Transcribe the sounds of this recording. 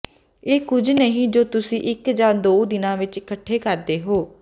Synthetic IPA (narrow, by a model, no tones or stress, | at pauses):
eːkʊd͡ʒnəɦĩːd͡ʒoːt̪ʊsĩːʔɪkd͡ʒaːd̪oːd̪ɪnãːʋɪt͡ʃɪkəʈʰːeːkəɾd̪eːɦoː